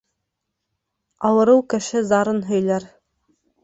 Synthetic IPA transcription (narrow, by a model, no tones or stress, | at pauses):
ɑwɤ̆ɾɤwkɘ̆ʃɘzɑɾɤnɦɵ̆jlæɾ